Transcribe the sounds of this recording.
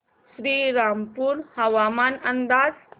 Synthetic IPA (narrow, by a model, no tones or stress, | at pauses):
ɕɾiːɾampuːɾhəʋamanənd̪aːd͡z